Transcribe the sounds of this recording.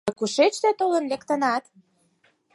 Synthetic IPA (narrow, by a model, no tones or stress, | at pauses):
kuʃet͡ɕt̪et̪olə̆nlekt̪ə̆nɑt̪